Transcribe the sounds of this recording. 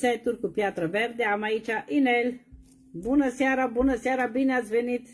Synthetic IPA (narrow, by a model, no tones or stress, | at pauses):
sajt̪urʲkupjat̪ɾəverd̪eamait͡ʃaʔinel | bunəseaɾabunəsaɾabineat̪sʲvenit̪